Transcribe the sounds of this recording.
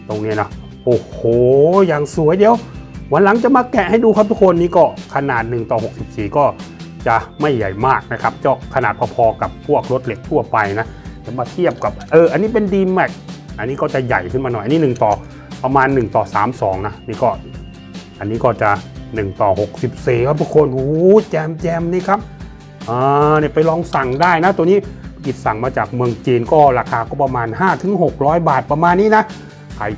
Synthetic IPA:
t̪o˧ŋniː˦˥˨nɔ˦˥ | ʔoː˧˩hoː˨˩jaː˨˩ŋsu˨˦əjdi˧əwwa˨˦nla˨˦ŋt͡ɕa˨maː˧kɛ˧˩ʔha˧˥˩jduː˧kʰa˦˥p̚t̪ʰu˥kʰo˧nːiː˧˥˨kɔː˥˩kʰa˧naː˨˩t̪̚nɯ˨˩ŋt̪ɔː˨˩ho˨˩k̚si˨˩p̚siː˨˩kɔː˥˩t͡ɕa˨˩ma˧˥˩jːa˨˩jmaː˥˩k̚na˦˥kʰa˦˥p̚t͡ɕɔː˧˩kʰa˧naː˨˩t̪̚paː˧˩pʰɔː˧ka˨˩pʰːu˥˩ək̚ɾo˦˥t̪̚le˨˩k̚t̪ʰu˥˩ɐpa˧jna˦˥tʰa˨˦maː˧t̪ʰi˥˩əp̚ka˨˩p̚ʔɤː˧ʔa˧nːiː˦˥p̬e˧ndiː˧mːa˧˩jʔa˧nːiː˦˥kɔː˥˩t͡ɕa˨˩ja˨˩jkʰɯ˧˩nmaː˧n˨˩jʔniː˦˥nɯ˨˩ŋt̪ɔː˨˩ | pa˧maː˧nːɯ˨˩ŋt̪ɔː˨˩saː˩˦msɔː˩˦ŋna˦˥ʔniː˧˥˩kɔː˧˥˩ | ʔa˧nːiː˦˥kɔː˥˩t͡ɕa˨˩nɯ˨˩ŋt̪ɔː˨˩ho˨˩k̚si˨˩p̚siː˨˩kʰa˦˥p̪̚ʰu˦˥kʰːo˧˥nʔuː˧˦t͡ɕɛː˧mt͡ɕɛː˧mniː˧˥˩kʰa˦˥p̚ | ʔɤː˧na˧˩pa˧jlɔː˧ŋsa˨˩ŋdaː˥˩jna˦˥t̪u˧niː˦˥˨ki˨˩t̪̚sa˨˩ŋmaː˧t͡ɕaː˨˩k̚mɯ˧əŋt͡ɕiː˧nkɔː˥˩ɾaː˧kʰaː˧kɔː˧˥˩pa˧maː˧nɦaː˥˩t̪ʰɯ˨˩˦ŋɦo˨˩k̚ɾɔː˦˥˩jbaː˨˩t̪̚pa˧maː˧nːiː˥˨na˦˥ | kʰa˨˩j

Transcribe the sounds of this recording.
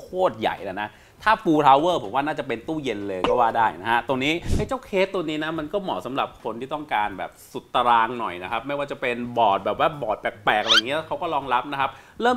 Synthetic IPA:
kʰoː˥˩t̪̚ja̰˨˩jʔa˨˩na˦˥ | t̪ʰaː˥˩fuː˧t̪ʰaː˧wɤː˥˩pʰo̰˩˦mwaː˥˩naː˥˩t͡ɕa˨˩pe˧nt̪uː˥˩je˧nlɤː˧jkɔː˥˩waː˥˩daː˥˩jna˦kʰa˦˥t̪o˧ŋniː˦˥ʔa˦˥˩jt͡ɕa˥˩wkʰeː˦˥t̪ːo˧ŋniː˦˥na˦˥ma˧nkɔː˥˩mɔ̰ː˩˦sa˨˩˦mɾa˨˩p̚kʰo˧nt̪iː˥˩t̪ɔ˥˩ŋkaː˧nbɛ̰ː˨˩p̚su˨˩t̪ːa˧ɾaː˧ŋnɔ̰˨˩jna˦˥kʰa˦˥p̚ma˥˩jwaː˥˩t͡ɕa˨˩pe˧nbɔː˨˩t̪̚bɛː˨˩waː˥˩bɔː˨˩t̪̚pɛː˨˩k̚pɛː˨˩k̚ʔa˧ji˦˥˦kʰa˦˥wkɔː˥˩lɔː˧ŋɾa˦˥p̚na˦˥kʰa˦˥p̚ | ɾɤː˥˩m

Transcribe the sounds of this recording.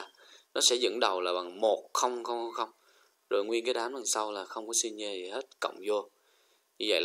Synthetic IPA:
nɔ˨˦sɛ̰˧˥zə̰˧˥nɗə˨˩wlaː˨˩ɓa˨˩ŋmo˨˩t̚xə˧wŋ͡mxə˧wŋ͡mxwŋ͡mxə˧wŋ͡m | zo˨˩jŋwi˧ənkaː˨˦jɗaː˨˦mlə˨˩ŋsa˧wlaː˨˩xə˧wŋ͡mkɔ˨˦si˧nɲə˧zi˨˩he˦˥t̚kə̰˧˨wŋ͡mzo˧ | ɲɨ˧və̰˧˨jl

